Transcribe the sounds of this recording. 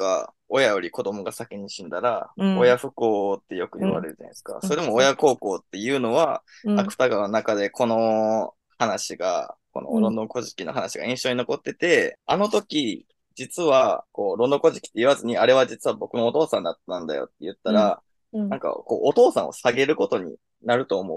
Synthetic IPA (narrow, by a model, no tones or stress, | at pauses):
ka | o̞jajo̞ɾʲiko̞d̪o̞mo̞ɡasakʲiɲ̟iɕĩnd̪aɾaojaɸɯ̟ko̞ːt̪ːe̞jo̞kɯ̟ɲiβa̰ɾeɾɯ̟d͡ʑa̰na̰sɨ̥ka̰so̞ɾeemoːjako̞ːko̞ːt̪ːe̞jɯ̟ːno̞βa | akɯ̟̥t̪aɡanonakad̪e̞kʰo̞no̞ | hanaɕiɡa̰ko̞̰no̰ɾõ̞nd̪õ̞ŋko̞ʑi̥kʲino̞ɦanaɕiɡa̰ĩɰ̃ɕo̞ɲino̞ko̞t̪ːe̞t̪e̞ano̞t̪o̞kʲi | d͡ʑit͡sɨβako̞ːɾo̞nd̪o̞ko̞ʑi̥kʲi̥t̪ːe̞iβazɨɲ̟iaɾe̞βad͡ʑit͡sɨβabo̞kɯ̟no̞ːt̪o̞ːsãnd̪at̪ːãnd̪a̰jo̞̰t̪ːe̞jɯ̟t̪ːaɾa | nãŋka̰ko̞̰ːʔːt̪o̞ːsã̰ɰ̃o̰saɡe̞ɾɯ̟ko̞t̪o̞ɲ̟ḭ | naɾɯ̟t̪o̞ːmo̞̰